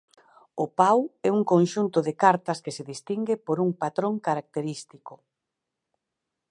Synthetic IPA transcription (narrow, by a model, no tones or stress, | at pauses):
ʊpawɛuŋkonʃunt̪ʊðekaɾt̪ɐskeseðist̪iŋɡepoɾuŋpat̪ɾoŋkaɾak̚t̪eɾist̪ikʊ